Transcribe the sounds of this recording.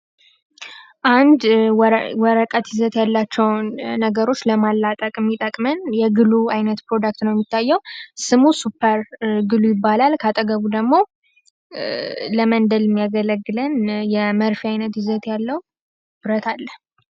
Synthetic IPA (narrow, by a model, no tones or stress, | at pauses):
ʔand̪ | wɔɾəkʼət̪ɪzət̪jalːat͡ʃːɛwnnəɡəɾo̞t͡ʃːləmalːat̪ʼəkʼɨmːit̪ʼəkʼmənjɛɡɨluajnət̪pɾo̞d̪ak̚t̪nəwjɛmːit̪ʰːajːɛwsɨmusupʰːəɾɡɨlujɪbːalalkʰat̪ʼəɡəβud̪əɡmo̞ | ləmənd̪əlɪmːijaɡələɡːɨlənjɛməɾfijajnət̪jɪzət̪jalːəw | bɾət̪ʰalːə